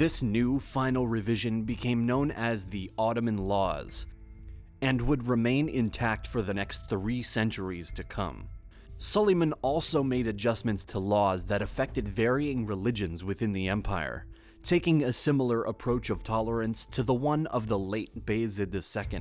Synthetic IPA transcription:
ðɪsnʉfãɪ̃nl̩ˠɹɨvɪʒɨ̃nbɨkʰẽɪ̃mnõʊ̃nɨzðiɑɾɨmɨ̃nlɔ̰z̥ | ɨ̃nwəd̚ɹɨmẽɪ̃nɪ̃ntʰæk̚tfə˞ðɨnɛkstθɹisɛ̃nt͡ʃə˞iz̥tʰɨkʰʌ̰̃m | sʌlˠimɨ̃nɔlˠsoʊmeɪɾɨd͡ʒʌsmɨ̃ntstʰəlɔzðɨɾɨfɛk̚tɨdvɛɹiɪ̃ŋɹɨlɪd͡ʒɨ̃nzwɨθɪ̃nðiɛ̃mpʰaɪə̰˞ | tʰeɪkɪ̃ŋɨsɪ̃ml̩ˠə˞ʔəpʰɹ̥oʊt͡ʃʌv̥tʰɑlˠə˞ɨ̃nstʰɨðəwʌ̃nʌvðəleɪt̚b̥eɪzɨd̪̚ðɨsɛkɨ̰̃nd̥

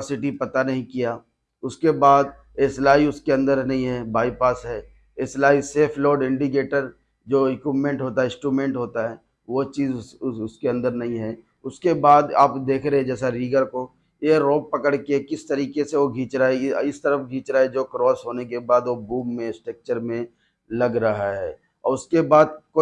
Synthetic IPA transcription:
sɪʈ̬ipɐt̪anɐɦĩkijaː | ʊskebaːd̪ | eːslaːiʊskeɐ̃nd̪əɾnɐɦĩɦɛːbaːipaːsɦɛː | eslaːiseːpʰloːɾɖɪ̃ɳɖik̬eːʈəɾ | d͡ʒoːɪkwɪpmẽːɳʈɦoːt̪aɦɛɪsʈɾuːmẽːɳʈɦoːt̪aɦɛː | ʋot͡ʃiːzʊskeɐ̃nd̪əɾnɐɦĩɦɛː | ʊskebaːd̪a̰ːpd̪eːkʰɾeɦɛ̃d͡ʒɛːsaɾiːɡəɾko | jeɾoːɡ̚pɐkəɽkekɪst̪ɐɾiːkeseʋoɡʱiːt͡ʃɾaeɪst̪əɾəfɡʱiːt͡ʃɾaːed͡ʒoːkɾɔːsɦoːnekebaːd̪ʋobuːmːẽsʈɾək̚t͡ʃəɾmẽ | lɐɡɾɐɦaɦɛː | ɔ̰ːɾʊskebaːd̪̚ko

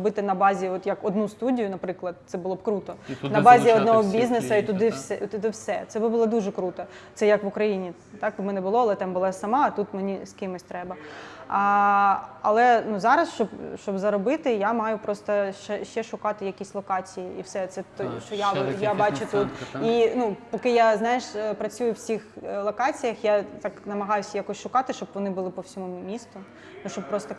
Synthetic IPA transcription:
bɪt̪ɪnɐbɑzʲiɔt̪jɐkɔd̪nust̪udʲijʊnɐpɾɪklˠɐd̪̚t̪sɛbʊlˠɔb̚kɾut̪ɔnɐbɑzʲiɔd̪nɔɦɔbʲiznesɐit̪ʊd̪ɪwsɛt̪ʊd̪ɪwsɛt̪sɛbɪbʊlˠɔd̪uʒɛkɾut̪ɐtsɛjɐkʋʊkɾɐjinʲi | t̪ɑk̚bmɛnɛbʊlˠɔɐlˠɛt̪ɑmbʊlˠɑsɐmɑt̪ut̪menʲiskʲɪmɪsʲt̪ɾɛbɐ | ɐ̰lˠɛnuzɑɾɐsʃt͡ʃɔbʃt͡ʃɔbzɐɾɔbɪt̪ɪjamɑjʊpɾɔst̪ɐʃɛʃt͡ʃɛʃʊkɑt̪ɪjɐkʲisʲlˠɔkɑt͡sʲijiiwsɛt̪sɛt̪ɔʃt͡ʃɔjajabɑt͡ʃʊt̪ut̪inupɔkɪjaznɑjɪʃpɾɐt͡sʲujʊwsʲixlˠɔkɑt͡sʲijɐxjat̪ɑknɐmɐɦɑjʊsʲjakɔsʲʃʊkɑt̪ɪʃt͡ʃɔbʋɔnɪbʊlˠɪpɔwsʲɔmumʲist̪ʊ | nuʃt͡ʃɔbp̚pɾɔst̪ɔ

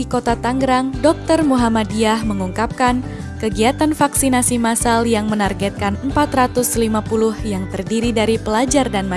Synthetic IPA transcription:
ikot̪at̪aŋɡəɾaŋdɔk̚t̪ərmuɦamadiahməŋuŋkap̚kan | kəɡiat̪anfaksinasimasaljaŋmənarɡɛt̪̚kanəmpat̪ɾat̪ʊslimapulʊhjaŋt̪ərdiɾidaɾipəlad͡ʒardanma

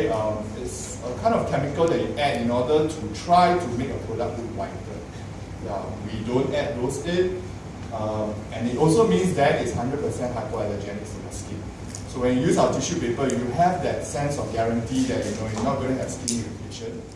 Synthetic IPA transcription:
ʌ̃mɪts | əkʰãɪ̃ndɔfkʰɛmikəldɛt̚juʔɛdĩnɔdətʰutʰɹaɪtumekəpʰɹodak̚uwaɪtə̰ | ʌwidõntɛt̚doset̚ | ʌm | ɛ̃nitɔlsomĩnsdɛtitshãndɹət̚pəsɛ̃nhɦaɪkɔɛləd͡ʒɛnɪksɹɔ̃məskĩm | sowɛ̃njujusawətiʃupepəjujuɦɛvdɛt̚sɛ̃nsɔfɡɛɹə̃ntidɛt̚junoisnɔt̚ɡonəɦɛvskĩmjunikʰeʃə̃n

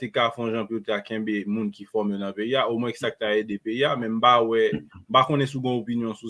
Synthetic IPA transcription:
t̪ekafɔ̃ʒãpjot̪ɛakɛ̃bemũnkifɔmjonɐ̃peiaomwɛ̃ksak̚t̪aed̪epeiamɛ̃m̩bawɛm̩pakõnɛ̃suɡɔ̃opinjɔ̃su

